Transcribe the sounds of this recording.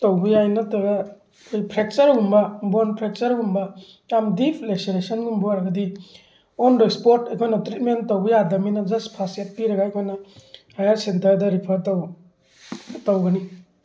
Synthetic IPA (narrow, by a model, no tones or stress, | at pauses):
towbijajnɐtɐɡa | kʰojpʰɾek̚t͡ʃɐɾɡumbɐbonpʰɾek̚t͡ʃɐɾɡumbɐ | jamdipʰlekseɾesɐnɡumbuaɾɡɐdi | onɾospoɾtekʰojnɐtɾit̚mentːowbijadɐminɐd͡ʒɐspʰasjat̚piɾɐɡaejkʰojnɐhajaɾsentɐɾdɐɾipʰɐɾtɐw | tawɡɐni